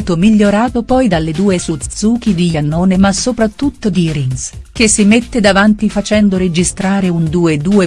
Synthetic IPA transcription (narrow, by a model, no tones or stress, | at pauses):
t̪omiʎːoɾaːt̪opɔjd̪alːed̪uːesut̪suːk̟id̪ijanːoːnemasopɾat̪ːut̪ːod̪iɾinskesːimet̪ːed̪avant̪ifat͡ʃɛnd̪oɾed͡ʒist̪ɾaːɾeund̪uːed̪uːe